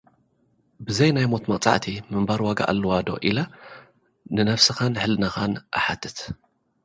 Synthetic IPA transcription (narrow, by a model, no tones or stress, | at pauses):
bɨzɐjnajmo̞t̪mɐkʼt͡sʼa̰ʕt̪ʰimɨmbaɾwaɡa̰ʔa̰lːɨwad̪o̞̰ʔilɐ | nɨnɐfsɨxanħɨlnɐxanʔa̰ħat̪ʰːɨt̪